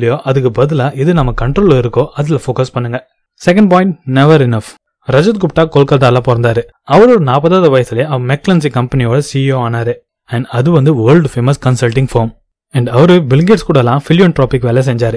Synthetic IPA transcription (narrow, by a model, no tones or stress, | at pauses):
lɪjoːʔɐðɯkːɯbɐðɯlaːʔɪðɯnɐmːɐkɐɳʈɾoːlɪɾɯkːõːʔɐðɪlɐfoːkɐspɐɳːɯŋɡɐ | sɛkɐ̃ɳɖ̚p̬ɔːjɪ̃ɳʈ̚nɛʋɐɾɪnɐf | ɾɐd͡ʒɐt̪̚ɡʊpʈːaːkoːlkɐʈaːlãːpoːɾɐnd̪aːɾɯ | ɐʋɐɾoːɽɐnaːpɐðaːðɐʋɐjɐsɯleɐmɛkːlɐns̬ikɐmpɐnijoːɽɐsioːaːnaːɾɯ | ɛɳɖɐðɯʋɐnd̪ɯʋɐːɾɭɖfemɐskɐnsɐlʈɪ̃ŋɡfoːɾm | ɛɳɖɐʋɐɾɯbɪlŋɡeʈskuːɽɐlãːfɪlɪjoːnʈɾoːpɪkːʋeːlɐs̬ɛɲd͡ʒaːɾɯ